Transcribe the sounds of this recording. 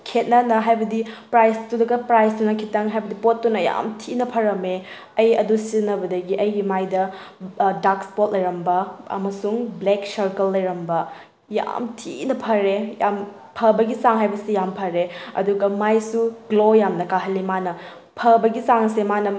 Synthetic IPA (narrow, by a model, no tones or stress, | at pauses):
kʰet̚nɐnɐɦajbɐdipɾajstudɐɡɐpɾajstunɐkʰitɐŋɦajbɐdipot̚ːunɐja̰mtʰinɐpʰɐɾɐme | ɐjɐdusinːɐbɐdɐɡiʔɐjɡimajdɐ | dakspot̚lɐjɾɐmbɐɐ̰mɐsuŋbleksɐɾkɐlːɐjɾɐmbɐ | ja̰mtʰinɐpʰɐɾejam | pʰɐbɐɡisaŋɦajbɐsijampʰɐɾeɐ̰duɡɐmajsuɡlojamnɐkaɦɐlːimanɐ | pʰɐbɐɡisaŋsemanɐ